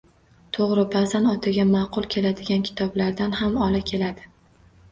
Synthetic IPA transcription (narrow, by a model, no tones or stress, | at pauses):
t̪ʰoʁɾɪbazanɒt̪ʰaɡʲamɑqʰʊlˠkʲʰe̞lad̪ɪɡʲankʲʰɪ̥t̪ʰɒblaɾd̪anhamɒlakʲʰe̞lad̪ɪ